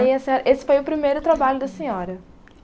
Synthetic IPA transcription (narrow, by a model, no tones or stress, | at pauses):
iɐsẽɲɔɾɐʔesɪ̥fojʊpɾimejɾʊt̪ɾabaʎʊd̪ɐsẽɲɔɾɐ